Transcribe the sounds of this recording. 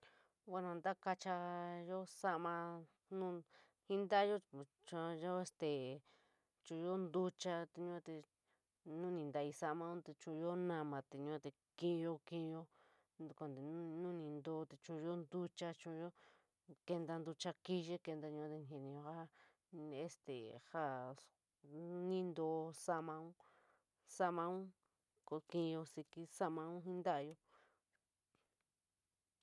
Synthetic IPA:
wʷa˦˧nã˧nd̪a˦ka˧t͡ʃa˧jo˦sa˦ʔmã˧ | nũ˦ | hi˦nd̪a˦jo˦˨ | t͡ʃã˧jo˦e˧st̪e˨ | t͡ʃũ˧˨˧jo˦nd̪u˦t͡ʃa˧t̪e˧ɲũ˦t̪e˧ | nũ˦nĩ˧nd̪a˧i˧sa˦ʔmã˧ũ˦t̪e˧t͡ʃũ˧jo˦nã˧mã˨˧t̪e˨ɲũ˧˦˧t̪e˧ | kĩ˦˧jo˦kĩ˦˧jo˦ | nd̪u˧kʷa˧nd̪e˧˨˦nũ˦nĩ˧nd̪oː˧˦t̪e˧t͡ʃũ˧jo˦nd̪u˦t͡ʃa˧t͡ʃũ˧jo˦ | ke˧nd̪a˧nd̪u˧t͡ʃa˧ki˦ʒe˦ke˧nd̪a˧ɲũ˧˦˧t̪e˧nhe˧nĩ˧jo˧ha˦ | e˧st̪ḛ˨ha˦˨ | nĩ˦nd̪o˧sa˦mã˧ũ˦ | sa˧mã˧ũ˦ | ko˧kĩ˧jo˧si˧ki˧sa˦mã˧ũ˦ɦĩ˦nd̪a˦a˧jo˧

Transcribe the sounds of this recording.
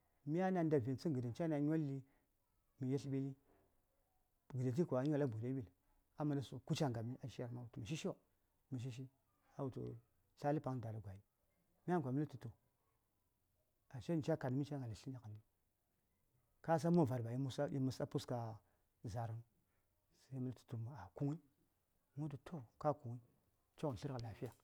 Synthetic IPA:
mi˦a˦na˨n˦da˨vi˨nt͡si˦ɡə˨da˨n˨t͡ʃa˦na˨ɲ˦a˦lːi˦ | mi˨je˦ɬɓi˦li˦ | ɡə˨da˨t̬i˦kʷa˨˦a˨la˦bu˨da˦bi˦˨l | a˦ma˨da˦su˨ku˦t͡ʃa˦ŋ˨a˨mi˦ʔa˨ʃi˦ja˨ɾma˦wu˨tu˨ma˨ʃ̬i˦ʃ | mi˨ʃ̬i˦ʃ̬i˦ | a˨wu˨tṵ˨ | ɬa˦li˦pa˨ŋ˨da˨la˨ɡʷa˨ji˦ | mi˦a˦ŋ˨ɡʷa˨mi˦li˦tu˨tu˨ | a˨ʃe˦n˨t͡ʃa˦ka˨dmi˦t͡ʃa˦ŋa˨la˨ɬi˦na˨ka˨mi˦ | ka˦s̬a˦mo˦˨va˨ɾba˨i˦mu˦sa˦ḭ˦mu˨sa˦pu˦ska˨ | za˨ɾu˦n | sa˦mi˦ltu̥˨tu˨m˨a˨ku˦ŋi˦ | mu˦t̬u˨tʰo˦ka˦ku˨ŋi˦ | t͡ʃo˦ɣu˨n˨ɬi˦ɾa˨la˨fi˦ja˨

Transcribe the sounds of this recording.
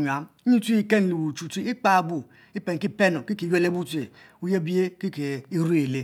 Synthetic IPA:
ɲ˨a˨m˦ɲi˦ti˦i˦ke˦n˨li˨wu˨t͡ʃu˨ti˦i˦k͡pa˦˨bu˨ | i˦pe˨ŋ˨ki˦pe˦no˨ki˦ke˨je˦˨le˦bu˦te˨ | u˦je˦bi˦e˦ki˦ke˨i˦ɾu˦e˨le˦

